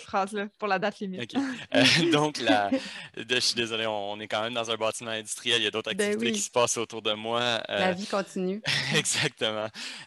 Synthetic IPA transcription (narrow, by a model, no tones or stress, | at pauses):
tfχɑːzləpuʁlad̪at̪limiokʲed̪ɔ̃klad̪ʃɥid̪ezɔleɔ̃ːnekɑ̃ːmɛ̃md̪ɑ̃zɛ̃bɑːt̪imɑ̃ɛ̃d̪y̥st̪ʁijɛljad̪ot̪χʁɛkbɛwt̪ekʲi̥sə̥pɑːsot̪uʁd̪əmwaə̰lavikɔ̃t̪inyɛɡzak̚t̪əmɑ̃